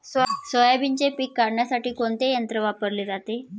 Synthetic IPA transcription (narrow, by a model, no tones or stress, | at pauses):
ssəjabiɲd͡ʑepiːkːaɾɳjasaʈiːkoɳt̪ejənt̪ɾəʋapəɾleːd͡zat̪e